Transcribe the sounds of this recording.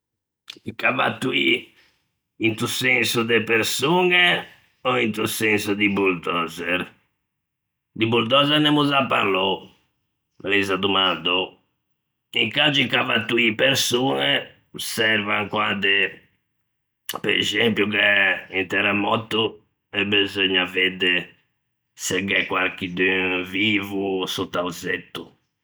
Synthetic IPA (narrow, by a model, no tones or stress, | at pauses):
ikava̰t̪ːuḭ | int̪usɛnsud̪epeɾsuːŋɛ | ɔint̪usɛnsud̪ibuɾd̪ɔːzɛɾ | d̪ibuɾd̪ɔzɛɾnɛmuzapːa̰ɾlɔ | lizad̪umald̪ɔ | iŋkad͡ʒiŋkavat̪ːuipeɾsuːnɛ | sɛɾvaŋkwad̪ɛ | pɛɾɛzempjukɛint̪ɛɾamɔt̪ːu | ɛbezɔɲːavɛd̪ɛ | sɛɡɛkwaɾkid̪yviːvusut̪ːauzɛt̪ːu